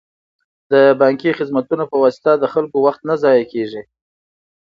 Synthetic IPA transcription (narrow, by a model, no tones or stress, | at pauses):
d̪əbɑŋkixɪzmat̪unapəwɑsɪ̥t̪ad̪əxalkowaxt̪nazɑjakeʐi